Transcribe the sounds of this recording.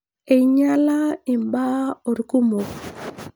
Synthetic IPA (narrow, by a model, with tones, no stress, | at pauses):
e˨ɲa˦la˦i˨mba˦o˨ɾku˦mo˨